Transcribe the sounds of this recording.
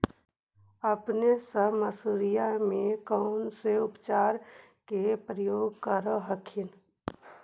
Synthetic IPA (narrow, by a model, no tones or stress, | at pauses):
əpnesəɦməsuɾijamẽkɔʊnseʊpt͡ʃaːɾ | kepɾəjoːɡkəɾoɦəkʰɪn